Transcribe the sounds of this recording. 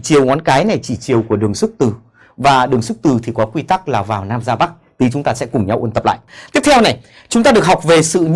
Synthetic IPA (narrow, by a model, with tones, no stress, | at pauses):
t͡ɕi˨˩əwŋɔ˨˦nkaː˨˦jna˨˩jt͡ɕi˧˩t͡ɕi˨˩əwku˧˩əɗɨ˨˩əŋsɨ˦˥k̚t̪ɨ˨˩ | vaː˨˩ɗɨ˨˩əŋsɨ˦˥k̚t̪ɨ˨˩t̪ʰi˨˩kɔ˨˦kwi˧t̪a˦˥k̚laː˨˩wvaː˨˩wnaː˧mzaː˧ɓa˦˥k̚t̪i˨˦t͡ɕʊ˨˦ŋ͡mt̪aː˧sɛ̰˧˥kʊ˨˩ŋ͡mɲa˧wʔənt̪ə˨˩p̚la̰ː˧˨jt̪i˦˥əp̚t̪ʰɛ˧wna˨˩j | t͡ɕʊ˨˦ŋ͡mt̪aː˧ɗɨ˨˩ək̚ha˨˩wk͡p̚ve˨˩sɨ̰˧˨ɲ